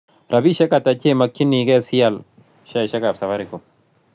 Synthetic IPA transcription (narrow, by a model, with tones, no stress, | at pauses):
ɾʔa˨bi˦ʃɛ˦ka˨ta˨t͡ʃe˦˨ma˨kːi˦ni˨kɛ˦si˦a˦˨l | ʃa˦˨ʃɛ˦ka˨bsa˨fa˦ɾi˨ko˨